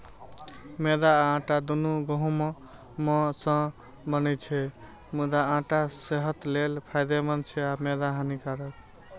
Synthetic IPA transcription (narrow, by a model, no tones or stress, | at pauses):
med̪ãːʈad̪unuɡɔɦũm | mɔ̃sə̃ | bənɛt͡ʃʰɛ | mud̪aãʈaseɦət̪lelpʰajd̪emənt͡ʃʰɛamed̪aɦanikaɾək